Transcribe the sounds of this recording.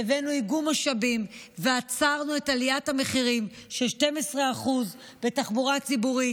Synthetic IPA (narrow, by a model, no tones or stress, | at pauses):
evenuiɡumaʃabimveat͡saʁnue̞talijathame̞χiʁimʃelʃte̞mesʁeaχuz | be̞taχbuʁat͡sibuʁi